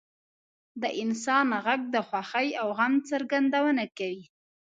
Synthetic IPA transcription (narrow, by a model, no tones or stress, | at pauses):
d̪əʔɪnsɑnɣaɡ̚d̪əxwaxəjawɣamt͡səɾɡand̪awənakawi